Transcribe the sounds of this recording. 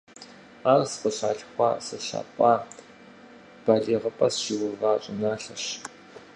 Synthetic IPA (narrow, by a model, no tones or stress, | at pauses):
aːrsqəɕa̰ːɬxʷɑːsɐɕa̰ːpʼaː | b̥aːɮeːʁəpʼɐsʃiwʊvaːɕʼɪnaːɬɐɕ